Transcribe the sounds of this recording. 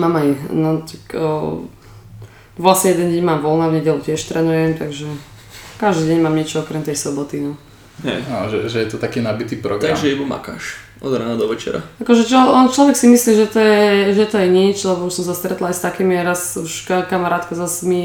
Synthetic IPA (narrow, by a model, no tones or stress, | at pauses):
maːmajnɔt̪akə | ʋlasɲɛjɛd̪ɛnɟɛɲmaːmʋɔlnavɲɛɟɛlucɪɛʃt̪ɾʔɛːnujɛmt̪aɡʒɛ | kaʒd̪iːɟɛɲmaːmɲɪɛt͡ʃɔɔkɾɛmt̪ɛjsɔbɔt̪inɔ | ɦɛ̰anʒɛʒɛjɛt̪ɔt̪akiːnabit̪iːpɾɔɡ̪aɡʒɛibuma̰ka̰ːʃ | ʔɔ̰d̪ɾanad̪ɔʋɛt͡ʃɛ̰ɾa̰akɔʒɛt͡ʃɔɔnt͡ʃlɔʋɛksimisliːʒɛt̪ɔjɛʒɛt̪ɔjɛɲit͡ʃlɛbɔuʃsɔmsast̪ɾɛt̪laajst̪akiːmiɛɾasuʃkakamaɾaːt̪kazasmi